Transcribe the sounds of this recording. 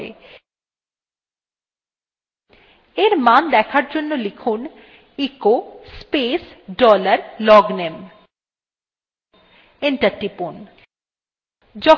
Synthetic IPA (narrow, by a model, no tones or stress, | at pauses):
ḛ | eɾmand̪ɛkʰaɾd͡ʑonːolikʰun | ikospesɖɔlaɾlɔɡnem | enʈaɾʈipun | d͡ʑɔ